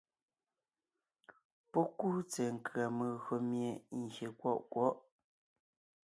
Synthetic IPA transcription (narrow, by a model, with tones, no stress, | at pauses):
pɔ˦ku˦t͡sɛ˨ŋ̩˨kɰa˨mə˨ɣo˨mje˨ŋ̩˨ɡje˨kwɔ˦˨ʔkwɔ˦ʔ